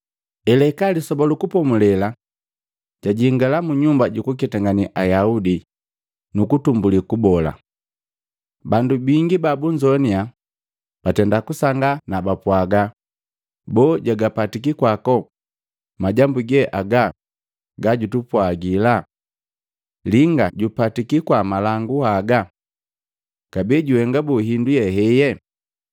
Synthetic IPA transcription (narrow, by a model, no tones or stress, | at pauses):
ɛlɛkalisɔbɔlukupɔmulɛla | ɟ̥aɟiŋɡalamuɲumbaɟukuk̬itaŋɡaniʔajaudi | nukutumbulikubɔla̰ | bandubiŋɡibabuɲd͡ʒɔnia | b̥atɛndakusaŋɡanabapwaɡa | bɔːɟaɡapatikikwakɔ | maɟambuɡɛʔaɡa | ɡaɟutupwaɡila | liŋɡaɟupatikikwamalaŋɡuhaɡa | kabiɟuhɛŋɡabuɦindujɛɦɛjɛ